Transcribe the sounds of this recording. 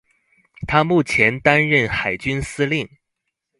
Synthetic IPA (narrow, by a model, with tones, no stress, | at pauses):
t̪ʰa˥mu˥˩t͡ɕʰjɛ˧˥nt̪a˥nɻə˥˩nxa˨˩ɪt͡ɕy˥nsɹ̩˥li˥˩ŋ